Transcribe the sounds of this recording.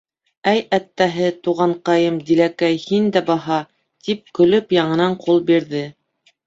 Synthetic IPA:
æjæt̪ːæɦɘt̪uʁɑɴqɑjɤmd̪ilækæjhind̪æbɑɦɑ | t̪ip̚kɵ̆lɵpjɑɴɤ̆nɑɴqʰulˠbiɾðɘ

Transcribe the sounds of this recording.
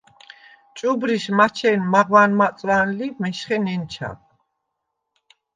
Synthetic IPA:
t͡ʃʼubɾiʃmat͡ʃʰɛnmaʁwanmat͡s̪ʼɾanlimɛʃχɛnɛnt͡ʃʰa̰k̚

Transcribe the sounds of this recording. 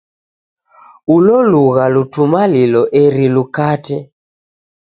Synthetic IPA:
ulɔluɣalutumalilɔʔeɾilukatɛ

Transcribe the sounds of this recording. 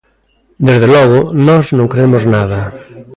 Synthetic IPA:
d̪ezðelɔɣ̞ʊnɔznõŋkɾeemoznaðɐ

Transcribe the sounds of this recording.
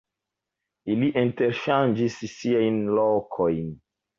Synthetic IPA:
iliʔĩnteɾʃãnd͡ʒissiajnlokʰojn

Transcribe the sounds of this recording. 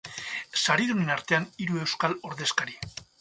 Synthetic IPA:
saɾiðunenaɾt̪e̞aniɾue̞wskalo̞ɾðe̞skaɾi

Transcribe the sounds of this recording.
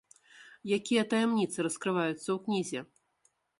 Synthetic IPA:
jakʲijɐt̪ɐjɛmnʲit̪sɨɾɐskɾɨvajut̪sːɐwknʲizʲɛ

